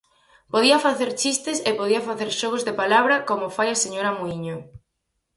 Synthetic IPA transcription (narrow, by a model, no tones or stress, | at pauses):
poðiɐfaθeɾt͡ʃist̪esepoðiɐfaθeɾʃɔɣ̞ozðepalaβɾɐkomofajaseɲoɾɐmoiɲo